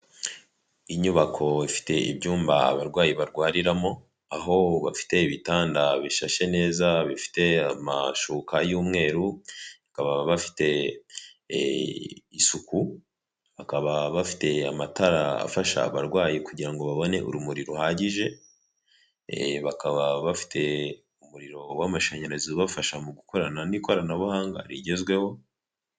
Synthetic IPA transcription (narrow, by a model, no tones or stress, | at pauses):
iɲuβakʰo̞ifi̥te̞ḭbɟuːmbaa̰βaɾɡwaːjiβaɾɡwaːɾiɾamo̞ | aɦo̞βafi̥te̞iβitaːndaβiʃaʃe̞ne̞ːzaβifi̥te̞ama̰ʃuːkajuːmŋe̞ːɾuakaβaβafi̥te̞ | isuku | βakaβaβafi̥te̞amataɾaa̰faʃa̰ːβaɾɡwaːjikuɟiɾaŋɡo̞βaβo̞ne̞̰ʔṵɾumuɾiɾohaɟiʒe̞ | βakaβaβafi̥tʰe̞ | umuɾiɾo̞wamaʃaɲe̞ɾeziβafaʃamuɡuko̞ɾananiko̞ɾanaβuhaːŋɡa̰ɾiɟe̞zɡwe̞ho̞